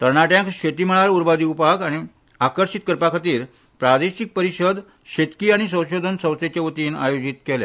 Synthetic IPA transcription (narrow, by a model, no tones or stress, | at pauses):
t̪əɾɳaʈjãkɕet̪iməɭaɾuɾbad̪iupakaɽ̃i | akəɾɕit̪̚kəɾpakʰat̪iːɾ | pɾad̪eɕik̚pəɾiɕəd̪ | ɕet̪kiːaɽ̃isə̃w̃ɕod̪ʱənsə̃w̃t͡set͡ɕaət̪iːna̰jod͡ʑit̪kelja̰